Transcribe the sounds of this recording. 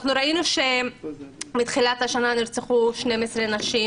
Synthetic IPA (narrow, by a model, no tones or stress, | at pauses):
naχnuɾainuʃe̞ | mit̪χilat̪haʃananiɾt͡seχuʃnemesɾenaʃi